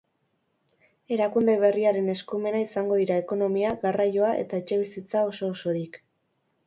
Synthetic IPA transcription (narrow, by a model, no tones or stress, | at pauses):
e̞ɾakund̪e̞β̞e̞riaɾe̞ne̞skume̞naisaŋɡo̞ðiɾae̞ko̞no̞miaɣarajo̞aʔe̞̰t̪ae̞t͡ʃe̞β̞isit͡sao̞so̞ːso̞ɾik